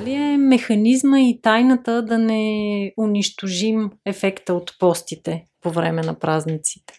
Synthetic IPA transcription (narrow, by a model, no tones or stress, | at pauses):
aliɛmɛxɐnizməit̪ajnət̪əd̪ɐnɛʊniʃt̪oʒimɛfɛkt̪əot̪pɔst̪it̪ɛpovɾɛmɛnɐpɾaznit̪si̥t̪ɛ̥